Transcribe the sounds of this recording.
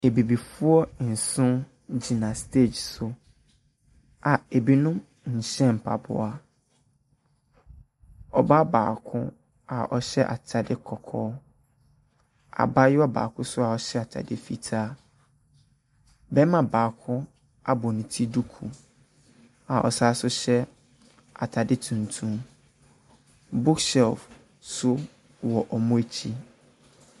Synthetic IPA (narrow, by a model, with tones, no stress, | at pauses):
e˨bi˨bi˨fʊ˦ɔ˦n̩˨sʊ̃˦ | d͡ʑi˨nã˨stʰe˦˨d͡ʑsʊ˨ | a˨e˨bi˨nʊ̃˦ | ɲ̩˨ɕɛ̃˦m̩˨pʰa̰˨bʊ̰˦a˦ | ɔ˨ba˦ba̰ː˨kʰʊ̰̃˦ | a˨ʔɔ˨ɕɛ˦ʔa̰˨t͡ɕʰa˨dɪ˦kʰɔ˨kʰɔː˦ | a̰˨ba˦jʊ˦a˦ba̰ː˨kʰʊ̃˦sʊ˦a˨ɔ˦ɕɛ˦a˨tʰa̰˨dɪ˦fi˨tʰaː˦ | bɛ˦mã˨baː˨kʰʊ̃˦ | a˨bɔ˨nʊ̃˨tʰi˦du˦kʰṵ˨ | a˨ʔɔ̰˨saː˦sʊ˦ɕɛ˦ | a̰˨tʰa˨dɪ˦tʰũ˨ntʰũ˦m | bʊ˦ksɛ˨lf | sʊ˦ | wɔ˨ʔɔ˨mʊ̃˦e˦t͡ɕʰi˦